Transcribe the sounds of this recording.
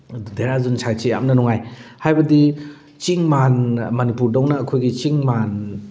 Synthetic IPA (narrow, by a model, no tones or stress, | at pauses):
deɾazunsʰajt͡ʃija̰mnɐnɔŋajhajbɐdi | t͡ʃiŋmanmɐnipuɾdɔwnaːkʰojɡit͡ʃiŋman